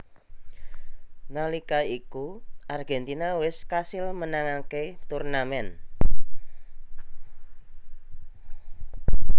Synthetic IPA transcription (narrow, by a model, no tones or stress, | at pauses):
nalikaikuʔarɡɛnt̪inawɪskasɪlmənaŋaket̪urnamɛn